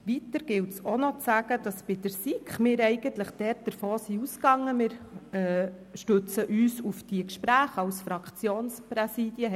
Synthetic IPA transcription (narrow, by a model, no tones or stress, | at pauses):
ʋit̪əɾɡ̥ɪltsonɔt͡sæɡ̥əd̥ɑsb̥ɪd̥əɾsikχmɪːɾɛɪɡ̥ənt̪ləχd̥ɛrt̚d̥əɾfoːsiuskɑŋːəmɪːɾɛʃtɵt͡səʔyːsufd̥iəkʃpɾæːχɑlsfɾɑkχt͡sjoːnspɾɛsiːd̥jə